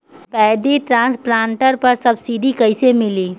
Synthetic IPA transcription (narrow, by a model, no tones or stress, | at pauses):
pɛːd̪iʈɾãːnsplãːɳʈəɾpɐɾsɐbsiɖikɐɪsemɪliː